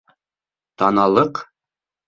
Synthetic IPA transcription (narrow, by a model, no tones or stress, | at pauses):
t̪ɑnɑlˠɤq